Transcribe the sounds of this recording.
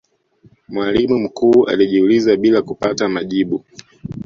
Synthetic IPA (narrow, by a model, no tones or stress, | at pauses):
mwalimum̩kuːʔa̰liʄiulizaɓilakupatamaʄiɓu